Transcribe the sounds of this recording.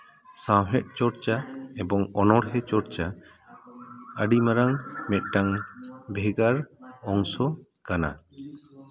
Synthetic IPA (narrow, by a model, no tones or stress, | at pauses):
sawɦɛt̚ˀt͡ʃɔɾt͡ʃaɛbɔŋɔnɔɽɦɛt͡ʃɔɾt͡ʃa | əɖimaɾaŋmɛt̪̚ˀʈaŋbʱɛɡaɾɔŋsɔ | kana̰